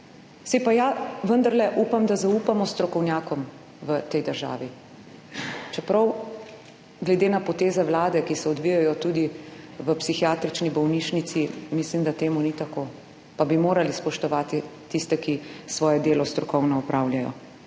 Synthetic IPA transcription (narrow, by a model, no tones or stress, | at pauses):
sɛjpajaʋənd̪aɾlɛʔupamd̪azauːpamɔst̪ɾɔkɔwnjaːkɔm | ʋət̪ɛjd̪əɾʒa̰ːʋi | t͡ʃɛpɾɐw | ɡlɛd̪eːnapɔt̪eːzɛwlaːd̪ɛkisɛɔd̪ʋijajɔt̪uːd̪iʋəpsixijaːt̪ɾit͡ʃnibɔwniʃnit̪simislimd̪at̪eːmunit̪akoː | pabimoːɾalispɔʃt̪ɔʋaːt̪it̪ist̪ɛkisʋɔːjɛd̪eːlɔst̪ɾɔkɔwnɔɔpɾaːwljajɔ̰